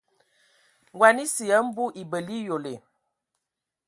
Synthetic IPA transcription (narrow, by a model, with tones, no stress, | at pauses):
ŋɡwa˨ni˦si˨ə˨˦m̩˦bu˦ʔi˨bə˨li˦jo˨le˨